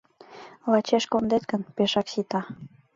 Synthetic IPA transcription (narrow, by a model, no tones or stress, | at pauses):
lɑt͡ɕeʃkond̪et̪ɡənpeʃɑksit̪ɑ